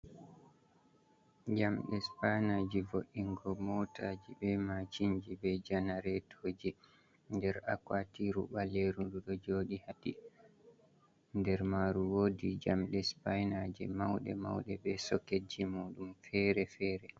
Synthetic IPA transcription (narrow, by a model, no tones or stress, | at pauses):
d͡ʒamɗɛspajnaːd͡ʒivoɗːiŋɡɔmɔtʰad͡ʒibɛmat͡ʃiɲd͡ʒibɛd͡ʒanaɾɛtʰod͡ʒi | ndɛɾa̰kwatiɾṵɓaleɾunduɗɔd͡ʒoːɗihaɗi | ndɛɾmaɾuwodid͡ʒamɗɛspajnad͡ʒɛ̰mawɗɛ̰ma̰wɗɛbɛsɔked͡ʒimuːɗumfɛɾɛfɛːɾɛ